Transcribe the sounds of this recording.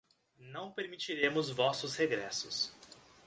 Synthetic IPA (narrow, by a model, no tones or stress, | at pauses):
nɐ̃w̃peɾmit͡ʃiɾẽmʊzvɔsʊsheɡɾɛsʊs